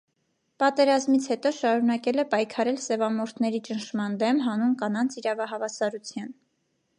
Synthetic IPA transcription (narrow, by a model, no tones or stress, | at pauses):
pɑt̪ɛɾɑzmit͡sʰhɛt̪ɔʃɑɾunɑkɛlɛpɑjkʰɑɾɛlsɛvɑmɔɾt̪ʰnɛɾit͡ʃənʃmɑnd̪ɛmɦɑnunkɑnɑnt͡sʰiɾɑvɑɦɑvɑsɑɾut͡sʰjɑn